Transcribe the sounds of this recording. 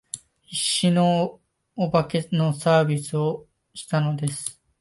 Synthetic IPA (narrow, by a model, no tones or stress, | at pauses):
iɕːinoː | bakeno̞saːbʲit͡sɨo | ɕi̥t̪ano̞d̪e̞sɨ̥